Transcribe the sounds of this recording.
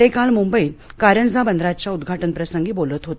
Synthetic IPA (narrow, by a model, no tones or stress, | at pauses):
ekalmumbəiːlkaɾjəɳd͡zabənd̪ɾat͡ɕjaud̪ɡʱaʈənpɾəsəŋɡiːbolət̪ɦot̪